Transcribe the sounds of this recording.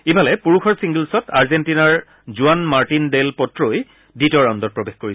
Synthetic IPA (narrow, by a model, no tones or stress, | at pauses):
ibʱalɛpuɹuxɔɹsiŋɡilsɔtaɹzentinaɹ | zuanmaɹtindelpɔtɹoj | ditɔɹãndɔtpɹɔbexkoɹi